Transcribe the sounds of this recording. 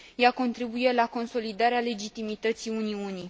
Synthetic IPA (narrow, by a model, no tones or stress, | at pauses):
jako̞nt̪ɾibuje̞lako̞nso̞lid̪aɾeale̞d͡ʒit̪imit̪ət̪siuniuni